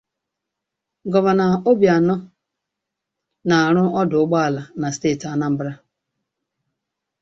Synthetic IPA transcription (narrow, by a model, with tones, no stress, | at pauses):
ɡɔ˨va˨na˨o˦bja˨nɔ˦ | na˨a˨ɾʊ˦ɔ˦dʊ˨ʊ˦ɡ͡ba˦a˦˨la˨na˨steː˦˨ta˦na˦m̩˦bɾa˦